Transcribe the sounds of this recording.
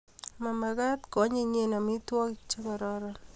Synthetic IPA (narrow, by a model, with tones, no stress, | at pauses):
ma˨ma˨ɡa˦t̪kɔ˨˦ɲe˦ɲe˦na˨mɪ˦twɔ˦kt͡ʃa˦kɔ˨ɾɔ˦ɾɔ